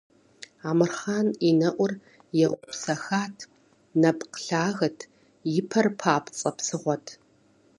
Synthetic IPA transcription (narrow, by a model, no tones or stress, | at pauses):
aːmɨrχaːninɐʔʷʊr | jɛʁʷʊpsɐxaːtʰ | nɐpʰqɬaːɣɐtʰ | jɪpʰɐrpʰaːpʰt͡sʼɐpsɨʁʷɔtʰ